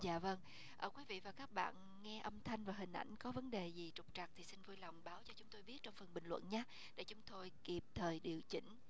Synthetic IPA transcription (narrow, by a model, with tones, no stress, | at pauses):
za̰ː˧˨və˧ŋ | ʔəː˧˩kwi˨˦vḭ˧˨vaː˨˩kaː˦˥k̚ɓa̰ː˧˨n | ŋɛ˧ʔə˧mt̪ʰa˧jŋ̟vaː˨˩ɦï˨˩ŋ̟ʔa̰˧˩jŋ̟kɔ˨˦və˨˦nɗe˨˩zi˨˩t͡ɕʊ˨˩k͡p̚t͡ɕa˨˩k̚t̪ʰi˨˩sï˧nvu˧jlɔ˨˩wŋ͡mɓaː˨˦wt͡ɕɔ˧t͡ɕʊ˨˦ŋ͡mt̪o˧jɓi˦˥t̚t͡ɕɔ˧wŋ͡mfə˨˩nɓï˨˩ŋ̟lwə̰˧˨nɲaː˨˦ | ɗḛ˧˥t͡ɕʊ˨˦ŋ͡mt̪o˧jki˨˩p̚t̪ʰəː˨˩jɗi˨˩əwt͡ɕï˧˦ŋ̟